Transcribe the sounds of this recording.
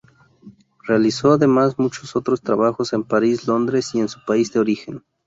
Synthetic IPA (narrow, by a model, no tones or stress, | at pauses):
re̞aliso̞aðe̞masmut͡ʃoso̞t̪ɾo̞st̪ɾaβaxo̞se̞mpaɾislo̞nd̪ɾesie̞nsu̥paizd̪eo̞ɾixe̞n